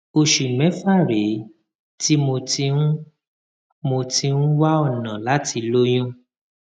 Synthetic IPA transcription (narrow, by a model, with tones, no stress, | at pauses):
o˧ʃu˨mɛ̃˨˦fa˦˨ɾe˨˦ | ti˦mo˧tĩ˧˦ | mo˧ti˧nũ˦wa˦ɔ˦˨nã˨la˨˦ti˧lo˦j̃ɔ̃˦